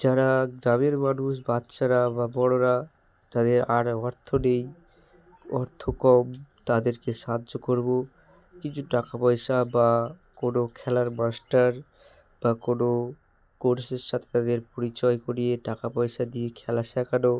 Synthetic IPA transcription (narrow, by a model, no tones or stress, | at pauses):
d͡ʑaɾaɡɾameɾmanuʃ̬batːʃaɾababɔɽ̃oɾa | t̪ad̪eɾaɾɔɾt̪ʰonej | ɔɾt̪ʰokɔmt̪ad̪eɾkeʃad̪okoɾbo | kit͡ɕʰuʈakapɔjsabakonokʰɛlaɾmasʈaɾ | b̥akono | koɾseʃat̪ʰe̥t̪ad̪eɾpoɾit͡ɕɔekoɾieʈakapɔjʃad̪iekʰɛlasɛkano